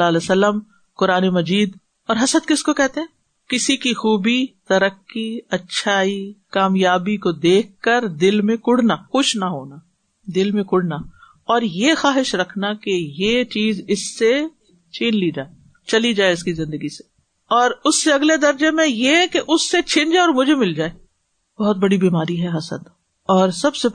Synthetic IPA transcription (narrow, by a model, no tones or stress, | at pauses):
alɛsɐlːəm | kʊɾaːnemɐd͡ʒiːd̪ | ɔːɾɦɐsəd̪kɪskokɛɦt̪ẽɦɛ̃ː | kɪsikixuːbit̪ɐɾəkːiɐtːʃʰaːikaːmjaːbikod̪eːk̚ʰkːəɾd̪ɪlmẽkʊɽnaxʊʃnaɦoːna | d̪ɪlmẽkʊɽna | ɔːɾjexaːɦɪʃɾɐkʰnakejet͡ʃiːzɪsːe | t͡ʃʰiːnlid͡ʒaːe | t͡ʃɐlid͡ʒaːeɪskizɪ̃nd̪əɡise̥ | ɔːɾʊsːeɐɡled̪ɐɾd͡ʒemẽjekeʔʊsːet͡ʃʰɪ̃ɲd͡ʒeɔːɾmʊd͡ʒʱemɪld͡ʒaːe | b̥ɔɦʊt̪̚bɐɽibiːmaːɾiɦɛɦɐsə̰̃nt̪ | ɔːɾsɐbse